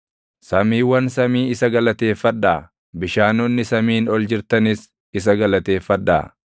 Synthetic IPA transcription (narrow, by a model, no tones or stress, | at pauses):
sɐmiːwɐnsɐmiːɪsɐɡɐlɐt̪e̞ːfːɐᶑːaː | bɪʃaːnɔnːɪsɐmiːnɔld͡ʒɪɾt̪ɐnɪs | ɪs̬ɐɡɐlɐt̪e̞ːfːɐᶑːa̰ː